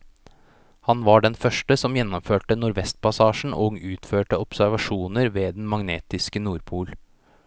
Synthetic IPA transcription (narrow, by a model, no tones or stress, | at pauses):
hɑnʋɑɖɛnfœʂʈəsɔmjɛnːɔmføːʈənʊɾʋɛst̪̚pɑsɑːʂɳ̩ʔoːɡʉːt̪føːʈəɔpsæɾʋɑʂuːnəɾʋeːd̪nmɑŋneːt̪ɪskənuːɾpʰuːl